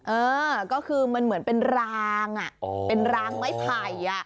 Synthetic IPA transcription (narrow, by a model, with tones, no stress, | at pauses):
ʔɤː˧kɔː˥˩kʰɯː˧ma˧nmɯ˨˩˦ənpe˧nɾaː˧ŋʔa˨˩ʔpe˧nɾaː˧ŋma˥˩jpʰa˨˩ja˨˩ʔ